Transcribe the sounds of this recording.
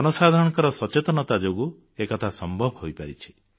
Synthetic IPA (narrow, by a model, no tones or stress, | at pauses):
ɔnɔsad̪ʱaɾɔ̃ɽɔŋkɔɾɔsɔt͡ʃet̪ɔnɔt̪ad͡ʒoɡu | ekɔt̪ʰasɔmbʱɔbʱɦojpaɾit͡ʃʰi̥